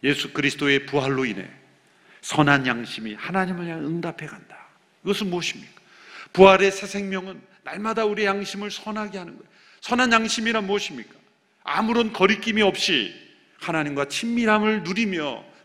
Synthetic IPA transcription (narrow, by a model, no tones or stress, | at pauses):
je̞sʰukɯɾisʰɯ̥t͈oe̞puɦaɭːoine̞̰ | sʰʌnɦanjaŋɕʰimihanaɲimɯɭɲaŋɯŋdapʰe̞ɡanda | iɡʌsʰɯnmuʌɕʰimɲik͈ḁ | puɦaɾe̞sʰe̞sʰe̞ŋmjʌŋɯnːaɭmadauɾiejaŋɕʰimɯɭsʰʌnɦaɡe̞ɦanɯnɡʌ | sʰʌnɦanjaŋɕʰimiɾamuʌɕʰimɲik͈ḁ | a̰muɾonkʌɾik͈imiʌp̚ɕ͈ḭ | hanaɲimɡwat͡ɕʰimːiɾamɯɭnuɾimjʌ̰